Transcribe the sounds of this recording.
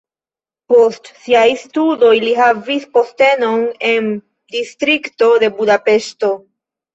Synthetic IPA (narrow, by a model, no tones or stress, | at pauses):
po̞stsiajstudo̞jliɦavispo̞ste̞no̞ne̞n | distɾikto̞de̞budape̞ʃto̞